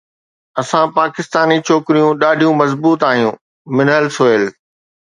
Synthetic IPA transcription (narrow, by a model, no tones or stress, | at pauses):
ɐsãpaːkɪst̪aːnit͡ɕʰoːkɾijũɗaːɖʱijũmɐzbuːt̪aːɦijũː | mɪnəlsoːəl